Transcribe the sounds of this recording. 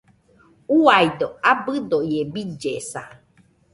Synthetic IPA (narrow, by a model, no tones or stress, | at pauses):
uajd̪oabɨd̪oiebid͡ʒesa